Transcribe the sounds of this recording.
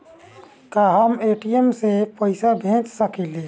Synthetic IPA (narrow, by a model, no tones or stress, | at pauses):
kaɦəmeʈiemsepəɪsabʱẽːt͡ʃsəkile